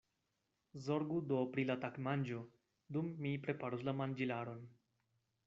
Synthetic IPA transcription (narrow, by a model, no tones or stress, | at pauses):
zoɾɡud̪opɾilat̪akmand͡ʒo | d̪umːipɾepaɾuslamand͡ʒilaɾon